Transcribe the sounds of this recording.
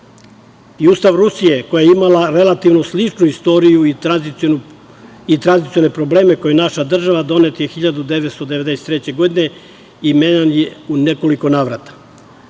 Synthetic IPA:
iuːst̪aʋɾusije̞kojajeimalaɾelat̪iʋnoslit͡ʂnuist̪o̞ɾijuia | it̪ɾanzit̪sio̞ne̞pɾo̞ble̞ːme̞ko̞jenaʃad̪r̩ʒaʋad̪o̞ne̞t̪jexiʎad̪ud̪eʋet̪st̪od̪eʋe̞d̪eset̪ɾet͡ɕe̞ɡo̞d̪ine̞ | imeɲanjeune̞ko̞liko̞naːʋɾat̪ḁ

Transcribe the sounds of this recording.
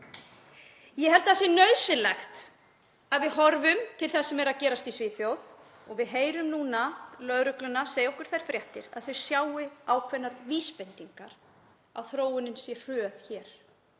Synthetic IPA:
jɛɦɛlt̪aðasjɛnœðsɪlɛxt̪ | aðvɪðɦɔɾvʏmt̪ʰɪlθɛsːɛmɛɾaðcɛːɾast̪isvɪːθjowð | ɔɣvɪðɦeːjɾʏmnuːnalœðɾʏklʏnaseːjowhkʏɾ̥θajɾ̥fɾjaht̪ɪ̰ɾa̰ðθœɥsjaːwɪaːwkʰvɛnːaɾviːspɛnt̪iŋkaɾ̥ | a̰ðθɾoːwɪnɪnsjɛr̥œːðçɛːɾ̥

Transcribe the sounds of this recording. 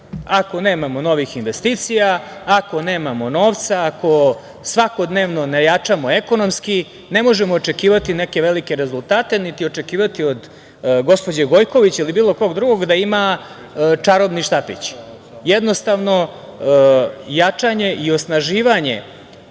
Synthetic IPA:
ako̞ne̞ːmamo̞no̞ʋixinʋe̞st̪it̪sijaː | ko̞ne̞ːmamo̞no̞ːʋt̪saːko̞ | sʋako̞d̪neːʋno̞nejat͡ʂamo̞e̞ko̞no̞mski | ne̞mo̞ʒemoːt͡ʂe̞kiːʋat̪ine̞ke̞ʋelike̞ɾezulˠt̪aːt̪e̞nit̪io̞t͡ʂe̞kiːʋat̪io̞d̪ | ɡo̞spo̞d͡ʑeɡo̞jko̞ʋit͡ɕilibiːlˠo̞ko̞ɡd̪ɾuɡo̞ɡd̪aima | t͡ʂaɾobniʃt̪apḭt͡ɕi̥ | jed̪no̞st̪aʋno̞ | jat͡ʂaɲe̞ʔio̞snaʒiːʋaɲe̞̰

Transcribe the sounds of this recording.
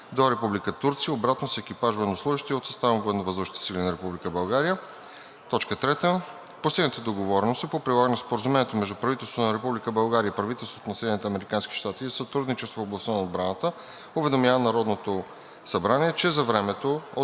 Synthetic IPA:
d̪oɾɛpublikət̪uɾt̪sijəobɾat̪nosɛɛkipaʒvoɛd̪noslˠuʒiʃt̪iot̪sɐst̪avvoɛd̪novəzəʃt̪t̪silʲinɐɾɛpublikəbɐlˠɡaɾiə | t̪ɔt͡ʃkət̪ɾɛt̪ə | fpost̪iɡnət̪əd̪oɡovɔɾɛnost̪ipopɾilˠaɡənispoɾəzumɛniɛt̪omɛʒd̪upɾɐvit̪ɛlˠst̪vot̪onɐɾɛpublikəbɐlˠɡaɾʲiəipɾɐvit̪ɛlˠsvo̥t̪nɐsɛd̪ɛnit̪ɛɐmɛɾikanski̥ʃt̪at̪isɐt̪ɾud̪nit͡ʃɛst̪vofoblˠɐst̪ənɐod̪̚bɾanət̪ə | ʊvɛd̪omʲjavənɐɾɔd̪not̪o | sɐbɾaniɛt͡ʃɛzɐvɾɛmɛt̪oo

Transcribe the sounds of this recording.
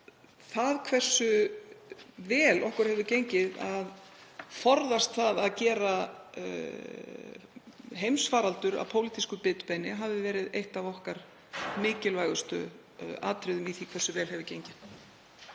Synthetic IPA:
θaðkʰvɛr̥sʏ | vɛːlʔɔhkʏɾ̥hɛvðʏcejɲcɪða̰ðfɔɾðast̪θaðaðcɛːɾa | ɦejmsfaːɾalt̪ʏɾa̰vpʰoːwlit̪iskʏpɪːt̪ʏ̥pɛjnɪɦavðɪvɛːɾɪðejht̪avɔhkaɾ̥ | mɪːcɪlvajɣʏst̪ʏ̰ | a̰ːt̪ɾɪðʏmiθikʰvɛrsːʏvɛːlɦɛvʏcejɲcɪn

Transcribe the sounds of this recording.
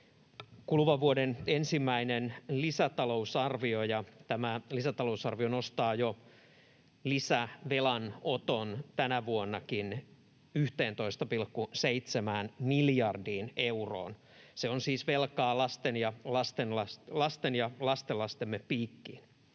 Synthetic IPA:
kulʋɑʋuodenensimːæinenlisæt̪ɑlousɑrʋiojɑt̪æmælisæt̪ɑlousɑrʋionost̪ɑːjo | lisæʋelɑnot̪ont̪ænæʋuonːɑkin | yht̪eːnt̪oist̪ɑpilkːuseit̪semæːnmiljɑrdiːneuro̰ːn | seonsiːsʋelkɑːlɑst̪enjɑlɑst̪enlɑslɑst̪enjɑlɑst̪elːɑst̪emːeppːiːkːḭːn

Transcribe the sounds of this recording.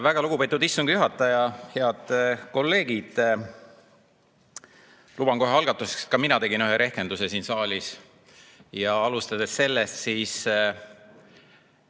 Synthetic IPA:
væɡ̥ɑluɡ̥upet̪ːˑud̪isːuŋɡ̥juɦɑt̪ːˑɑjɑheɑd̪̥ko̞lːe̞ːɡ̥id̪̥ | lub̥ɑŋko̞ɦeɑlɡ̥ɑt̪ːˑusekst̪kɑminɑt̪e̞ɡinyɦeɾʔe̞hke̞nd̪̥usesiːnsɑːlʲis | jɑɑlust̪ɑd̪̥esse̞lːest̪siːs

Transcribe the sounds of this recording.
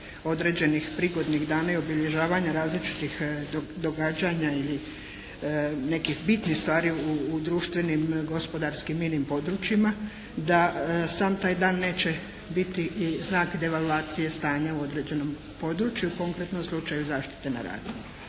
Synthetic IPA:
o̞d̪ɾe̞d͡ʑe̞nixpɾiɡo̞d̪niɣd̪aːnaio̞biʎe̞ʒaːʋaɲaɾaːzlit͡ʃi̥t̪ixd̪o̞ɡad͡ʒaɲaili | ne̞kixbit̪nixst̪ʋaːɾiuːd̪ɾuːʃt̪ʋe̞nimɡo̞spo̞d̪aɾskimːinimpo̞d̪ɾut͡ʃjima | d̪asaːmt̪aːjd̪aːnːe̞ːt͡ɕe | bit̪iznaːkd̪e̞ʋalˠuaːt̪sije̞st̪aːɲauo̞d̪ɾe̞d͡ʑe̞no̞m | po̞d̪ɾut͡ʃjuuko̞ŋkɾe̞t̪no̞mslˠut͡ʃajuzaːʃt̪i̥t̪e̞na̰ɾa̰ːd̪im

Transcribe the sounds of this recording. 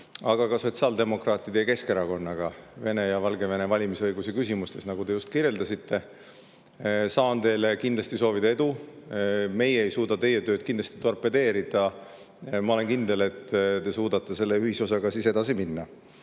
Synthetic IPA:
ɑɡ̥ɑkɑso̞t̪siɑːld̪e̞mo̞krɑːt̪ːˑid̪̥e̞jɑke̞ske̞ɾɑko̞nːɑɡ̥ɑve̞ne̞jɑvɑlɡe̞ve̞ne̞vɑlʲimisɤjɡusekysʲimust̪e̞snɑɡ̥ud̪e̞just̪̚kiɾje̞ld̪ɑsit̪ʰːe̞ | sɑːnt̪e̞ːlekind̪lɑst̪iso̞ːvid̪ɑe̞d̪̥u | me̞jeejsuːd̪ɑt̪e̞je̞t̪ø̞ːd̪̥̚kind̪lɑst̪i̥t̪o̞rpːˑed̪e̞ːɾid̪̥ɑ | mɑo̞le̞nkind̪e̞le̞t̪ːt̪e̞suːd̪̥ɑt̪ˑːe̞se̞lːe̞yhiso̞sɑɡ̥ɑsise̞d̪ɑsiminːɑ

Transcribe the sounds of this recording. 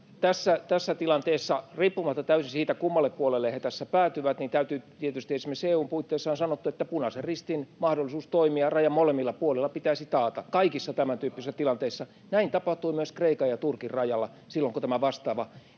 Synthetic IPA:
t̪æsːæt̪æsːæt̪ilɑnt̪eːsːɑriːpːumɑt̪ːɑt̪æysisiːt̪ækumːɑlːˑeppuolelːehet̪æsːæpæːt̪yʋæt̪niːnt̪æyt̪yːt̪iet̪yst̪iesmeseːuːmpuit̪ːeːsːɑːnsɑnot̪ːuet̪ːæpunɑserrist̪inmɑhdolːˑisuːst̪oimiɑrɑjɑmmolemːilːɑpuolilːˑɑpit̪æisit̪ɑːt̪ɑkɑikisːɑt̪æmænt̪yːpːisæt̪ilɑnt̪eisːɑ | næint̪ɑpɑht̪uimyøskreikɑjɑt̪urkirrɑjɑlːɑ | silːoŋkut̪æmæʋɑst̪ɑːʋɑ

